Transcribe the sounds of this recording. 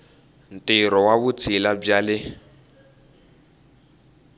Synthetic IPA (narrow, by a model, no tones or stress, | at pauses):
n̩tʼiɾɔwaβut͡sʰilab͡ʐalɪ